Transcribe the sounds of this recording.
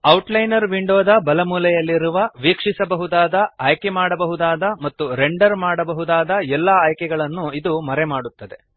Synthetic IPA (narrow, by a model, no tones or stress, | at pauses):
ɐwʈlɐjnɐɾʋiɳɖoːd̪ɐbɐlɐmuːlɐjɐlːiɾuʋɐʋiːkʂisɐbɐɦud̪aːd̪ɐaːjkemaːɽɐbɐɦud̪aːd̪ɐmɐt̪ːuɾeɳɖɐɾmaːɽɐbɐɦud̪aːd̪ɐɛlːɐaːjkɛɡɐɭɐnːuid̪umɐɾemaːɽut̪ːɐd̪e